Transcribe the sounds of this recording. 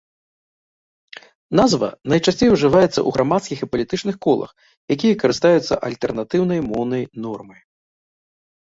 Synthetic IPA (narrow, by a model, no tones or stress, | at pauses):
nazvɐ̰nɐjt͡ʂasʲt͡sʲejwʐɨvajɛt̪sːɐ̰ʔuɣɾamat̪skʲixipɐlʲit̪ɨt͡ʂnɨxkɔlˠɐ̰x | jakʲijɐkɐɾɨst̪ajut̪sːɐʔɐlʲt̪ɛrnat̪ɨwn̪ɐjmɔwnɐjnɔrmɐj